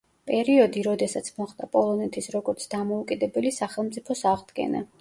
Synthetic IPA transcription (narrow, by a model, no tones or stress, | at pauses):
pʼɛɾiɔd̪iɾɔd̪ɛsat̪sʰmɔχd̪apʼɔlˠɔnɛt̪ʰisɾɔɡɔɾt̪sʰd̪amɔukʼid̪ɛbɛlisaχɛlˠmt̪sʼipʰɔsaʁd̪ɡɛ̰na̰